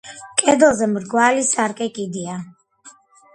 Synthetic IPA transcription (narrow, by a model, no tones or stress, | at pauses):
kʼɛd̪ɛlˠzɛmɾɡwalisaɾkʼɛkʼid̪ia